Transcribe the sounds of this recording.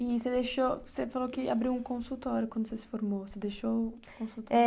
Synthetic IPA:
ɪsed̪eʃosefalokɪa̰bɾiwũkõsut̪ɔɾjʊkwɐ̃nd̪ʊsesɪ̥foɾmosed̪eʃo | kõsut̪ɔɛ

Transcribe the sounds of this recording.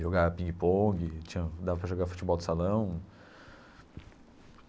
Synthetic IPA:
ʒoɡaɐpĩŋɡɪpõɡɪt͡ʃĩɲɐd̪avɐpɾɐʒoɡaɾfu̥t͡ʃɪbɔwd̪ɪsalɐ̃w̃

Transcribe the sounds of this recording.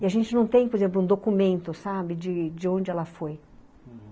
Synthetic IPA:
ɪaʒẽnt͡ʃɪnɐ̃w̃t̪ẽj̃poɾezẽmp̬lʊũd̪okumẽnt̪ʊsabɪd͡ʒɪd͡ʒɪõnd͡ʒɪɛlɐfoj

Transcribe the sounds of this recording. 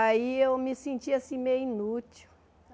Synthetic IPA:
aiewmɪsẽnt͡ʃiasĩmejĩnut͡ʃiw

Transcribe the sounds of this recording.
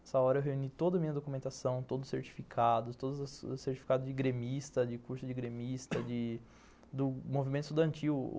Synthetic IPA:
ɛsɐɔɾɐewɦeunit̪od̪ɐmĩɲɐd̪okumẽnt̪asɐ̃w̃t̪od̪ʊʊseɾt͡ʃi̥fikʰad̪ʊst̪od̪ɐzɐsseɾt͡ʃifi̥kad̪ʊd͡ʒɪɡɾemist̪ɐd͡ʒɪkuɾsʊd͡ʒɪɡɾemist̪ɐd͡ʒɪ | d̪ʊmovimẽnt̪ʊst̪ud̪ɐ̃nt͡ʃiw̰

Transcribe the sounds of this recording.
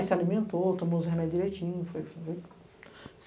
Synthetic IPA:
salimẽnt̪ot̪õmõzɦemɛd͡ʒʊd͡ʒiɾejt͡ʃĩɲʊfojfoj | s

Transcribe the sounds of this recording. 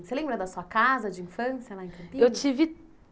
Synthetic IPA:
selẽmbɾɐd̪ɐsuɐkazɐd͡ʒɪĩfɐ̃sjɐlaẽkɐ̃mpĩewt͡ʃivɪ

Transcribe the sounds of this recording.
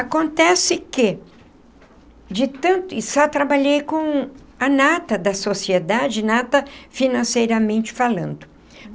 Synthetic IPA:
akõnt̪ɛsɪkɪ | d͡ʒɪt̪ɐ̃nt̪ʊɪsat̪ɾabaʎejkõ | ɐnat̪ɐd̪ɐsosied̪ad͡ʒɪnat̪ɐfinɐ̃sejɾɐmẽnt͡ʃɪ̥falɐ̰̃nd̪ʊ

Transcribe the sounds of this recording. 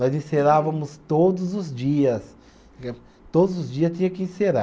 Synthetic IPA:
nɔzĩseɾavɐmʊst̪od̪ʊzʊzd͡ʒiɐs | t̪od̪ʊzʊzd͡ʒiɐst͡ʃ̪ĩɲɐ̃kɪĩseɾa

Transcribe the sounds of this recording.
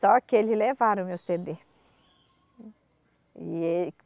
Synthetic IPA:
ɔkɪelɪlevaɾ̃mewsed̪e | ie

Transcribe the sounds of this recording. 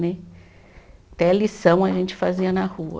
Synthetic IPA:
nɛ | t̪ɛlisɐ̃w̃ɐʒẽnt͡ʃɪ̥faziɐnahuɐ̰

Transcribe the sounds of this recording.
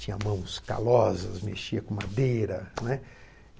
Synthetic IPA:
t͡ʃĩɲɐmɐ̃w̃ska̰lɔzɐsmḛʃiɐkõmad̪ejɾɐnɛ

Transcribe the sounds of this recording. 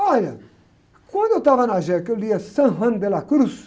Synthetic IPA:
ɔlɐ | kwɐ̃nd̪oewt̪avɐnaʒɛkewliɐsɐ̃ɦɐ̃nbelakɾus

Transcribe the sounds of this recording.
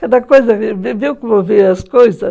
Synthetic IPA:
kɐd̪ɐkojzɐviviwkɪvoviɾɐskojzɐ

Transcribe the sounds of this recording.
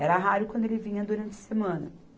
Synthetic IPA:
ɛɾɐɦaɾʊkwɐ̃nd̪ʊelɪvĩɲɐd̪uɾɐ̃nt͡ʃɪɐ̥semɐ̃nɐ̰

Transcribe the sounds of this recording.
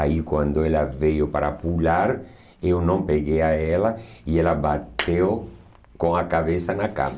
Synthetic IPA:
aikwãnd̪oelavejopaɾapulaɾ | ewnõŋpeɣejaelaielabat̪ʰew | kõŋakaβesanaka̰m

